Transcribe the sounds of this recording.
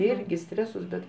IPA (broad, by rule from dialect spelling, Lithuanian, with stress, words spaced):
ˈɪrʲɡʲɪ ˈsʲtʲrʲæːsʊs bʲɛt